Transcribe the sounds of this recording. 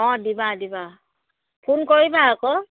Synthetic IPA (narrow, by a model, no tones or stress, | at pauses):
ɔ̃dibadiba | pʰunkoibaakɔ